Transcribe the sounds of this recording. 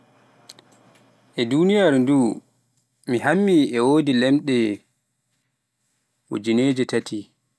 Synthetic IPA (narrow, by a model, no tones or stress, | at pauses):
ʔɛdunijaɾduː | mihamːiɛwoːdilɛmɗɛ | wo̰d͡ʒineːd͡ʒitatʰi